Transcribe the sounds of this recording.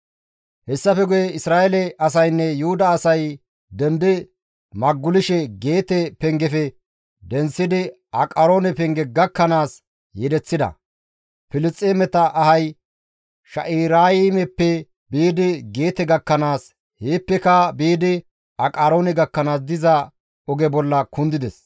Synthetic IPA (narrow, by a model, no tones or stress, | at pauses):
hɛsːɐfɛɡʊjɛɪsɾaːʔelɛɐs̬ɐjnːɛjʊhʊd̪ɐːsɐj | d̪ɛnd̪ɪ | mɐɡːʊlɪʃɛɡe̞ːt̪ɛpɛŋɡɛfɛ | d̪ɛnsːɪd̪ɪ | ɐkʼɐɾo̞ːnɛpɛŋɡɛɡɐkːɐnaːs | jɛd̪ɛt͡sːɪd̪ɐ̰ | pɪlɪt͡sʼːemɛt̪ɐʔɐhɐj | ʃɐ̰ʔiːɾaːjɪmɛpːɛ | biːd̪ɪɡe̞ːt̪ɛɡɐkːɐnaːs | heːpːɛkɐbiːd̪ɪ | ɐkʼaːɾoːnɛɡɐkːɐnaːs̬d̪ɪzɐ | ɔɡɛbɔlːɐkʊnd̪ɪd̪ɛs